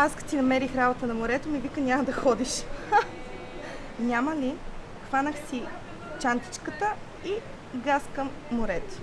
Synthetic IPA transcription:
askɐ̥t̪inɐmɛɾixɾabot̪ənɐmoɾɛt̪omivikənʲamɐd̪ɐxɔd̪iʃ | nʲaməli | xvanəxsi | t͡ʃant̪i̥t͡ʃkət̪ə | i | ɡaskɐmːoɾɛt̪o̥

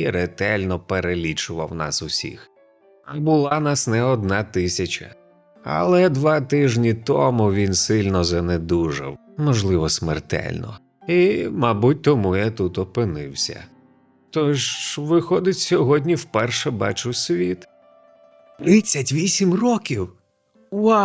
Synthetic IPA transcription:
iɾet̪ɛlʲnɔpeɾelʲit͡ʃʊʋɐ̰wnɑ̰sʊsʲḭx | ɐbʊlˠɑnɑsnɛɔd̪nɑt̪ɪsʲɐt͡ʃɐ̰ | ɐ̰lˠɛd̪ʋɑt̪ɪʒnʲit̪ɔmʊʋʲinsɪlʲnɔzɐned̪uʒɐ̰w | mɔʒlˠɪʋɔsmɛrt̪ɛ̰lʲnɔ̰ | imabut̚ʲt̪ɔmujat̪ut̪ɔpɪnɪwsʲɐ̰ | t̪ɔʃʋɪxɔd̪ɪtʲsʲɔɦɔdʲnʲiwpɛrʃɛbɑ̰t͡ʃʊwsʲʋʲit̪ | t̪ɾɪt͡sʲːɐtʲʋʲisʲimrɔkʲiw | wɑ

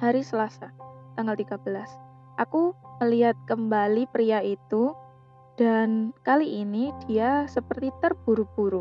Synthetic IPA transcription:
haɾisəlasat̪aŋɡalt̪iɡabəlas | ʔakuməliɦat̪̚kəmbalipɾiait̪u | d̥ankaliʔːnid̥iasəpərt̪it̪ərb̥uɾub̥uɾu

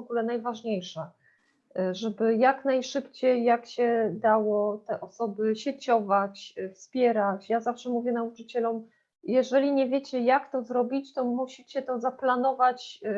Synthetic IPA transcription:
ɔɡulɛnajvaʐɲejʂa | ʐɛbɘjaknajʂɘpt͡ɕejːakɕɛd̪awɔt̪ɛʔɔsɔbɘɕɛt͡ɕɔvat͡ɕfspʲjɛɾat͡ɕjazafʂɛmuvʲjɛnaut͡ʂɘt͡ɕɛlɔm | jɛʐɛlʲiɲɛvʲjet͡ɕɛjakt̪ɔzɾɔbʲit͡ɕt̪ɔmuɕit͡ɕɛt̪ɔzaplanɔvat͡ɕ

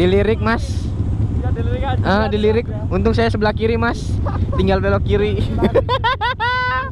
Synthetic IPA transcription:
diliɾɪk̚mas | ədiliɾɪk̚ | unt̪ʊk̚s̬ajasəbəlahkiɾimast̪iŋɡalpelokːiɾi

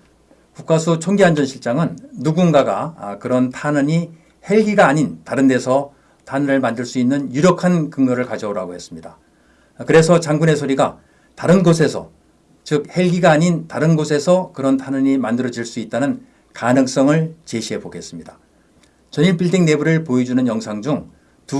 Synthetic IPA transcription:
kuk͈asʰut͡ɕʰoŋɡiɦand͡ʑʌnɕʰiɭt͡ɕ͈aŋɯnːuɡunɡaɡa̰kɯɾʌntʰanɯɲi | he̞ɭɡiɡaːɲintaɾɯnde̞sʰʌ | tʰanɯɾɯɭmandɯɭs͈uinːɯnjuɾjʌkʰankɯŋɡʌɾɯɭkad͡ʑʌoɾa̰ɡohe̞s͈ɯmɲida | kɯɾe̞sʰʌt͡ɕaŋɡune̞sʰoɾiɡa | taɾɯnɡosʰe̞sʰʌ̰ | t͡ɕɯk̚he̞ɭɡiɡaːɲintaɾɯnɡosʰe̞sʰʌkɯɾʌntʰanɯɲimandɯɾʌd͡ʑiɭs͈uit̚t͈anɯn | kanɯŋs͈ʌŋɯɭt͡ɕe̞ɕʰiɦe̞boɡe̞s͈ɯmɲida | t͡ɕʌniɭp͈iɭdiŋne̞buɾɯɭpoed͡ʑunɯnjʌŋsʰaŋd͡ʑuŋ | tu

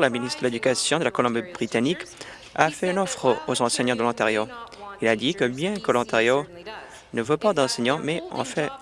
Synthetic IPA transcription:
laminist̪dəled̪ykasjɔ̃d̪əlakɔlɔ̃mbbʁit̪anik | afɛỹnɔfχəozɑ̃sɛɲɑ̃d̪əlɑ̃t̪eʁjoilad̪ikəbjɛ̃kəlɔ̃t̪eʁjo | nəvopad̪ɑ̃sɛɲɑ̃mɛɑ̰̃fɛ̃

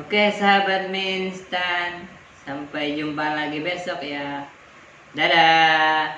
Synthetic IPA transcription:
okesaɦabat̪̚minst̪an | sampajd͡ʒumbaŋlaɡibɛsɔk̚ja | d̪ada

